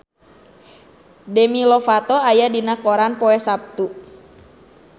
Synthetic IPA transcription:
dɛmilɔfat̪ɔajadinakɔɾanpɔɛsap̚t̪u

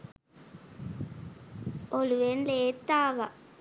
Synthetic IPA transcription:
oluʋenleːt̪ːaːʋa

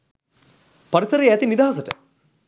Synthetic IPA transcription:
pɐɾisəɾijɛt̪inid̪aːɐs̬əʈə

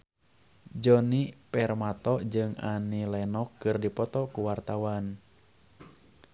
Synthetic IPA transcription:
d͡ʒɔnipɛrmat̪ɔd͡ʒɨŋa̰nilɛnɔkːɨrdipɔt̪ɔkuwart̪awan

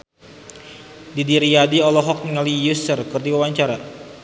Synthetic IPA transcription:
didiɾiadiɔlɔɦɔk̚niŋalijusərkɨrdiwawaɲt͡ʃaɾa

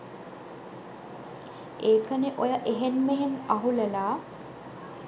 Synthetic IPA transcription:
eːkəneʔojəʔeɦenmeɦenaɦulelaː

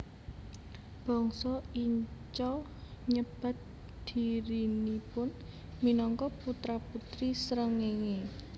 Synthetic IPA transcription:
b̥ɔ̤ŋsɔiɲt͡ʃɔ | ɲəb̥ä̤t̪̚ | d̪̥i̤ɾinipʊn | minɔŋkɔput̪ɾaput̪ɾisɾəŋeŋe

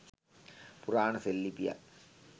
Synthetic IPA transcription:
puraːɳɐselːipija̰

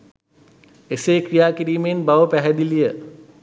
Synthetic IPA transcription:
eseːkrijaːkiɾiːmenbaʋəpæɦɛd̪ilijə

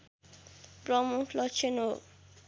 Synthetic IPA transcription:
prɔmukʰlɔt͡ʃʰeno

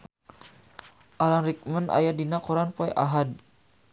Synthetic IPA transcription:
ʔalanrik̚məna̰jadinakɔɾanpɔɛʔaɦad̚

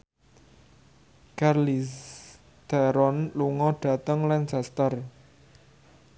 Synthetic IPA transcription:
karlis | d̪̥aɾɔnluŋɔɖ̥a̤t̪əŋlansast̪ər

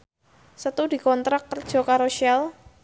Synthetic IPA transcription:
sət̪udi̤kɔnt̪ɾakːərd̥ʒ̥ɔ̤kaɾoʃɛl

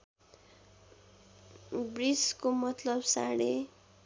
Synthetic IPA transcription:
briskomʌt̪lʌbsa̰ɽe

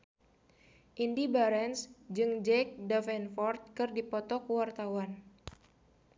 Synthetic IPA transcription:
ʔindibaɾɛnsd͡ʒɨŋd͡ʒɛk̚dafɛnfɔrt̪̚kɨrdipɔt̪ɔkuwart̪awan

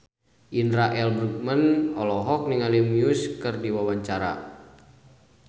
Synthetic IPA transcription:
ʔinɾaʔɛlbɾuk̚mənɔlɔɦɔk̚niŋalimiuskɨrdiwawaɲt͡ʃaɾa̰

